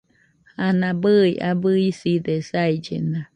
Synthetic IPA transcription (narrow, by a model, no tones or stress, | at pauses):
hanãbɨjʔabɨisid̪esaid͡ʒḛna